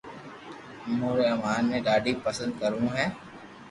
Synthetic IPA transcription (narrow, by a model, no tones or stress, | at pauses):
muːɾemaːnmẽːɖaːɖipəsə̃nd̪̚kəɾũːɦɛː